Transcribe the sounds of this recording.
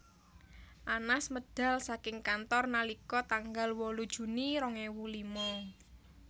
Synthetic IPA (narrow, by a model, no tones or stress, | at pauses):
ʔanasməd̥a̤lsakɪŋkant̪ɔrnalikɔt̪aŋɡalwɔlud̥ʒ̥ṳniɾɔŋewulimɔ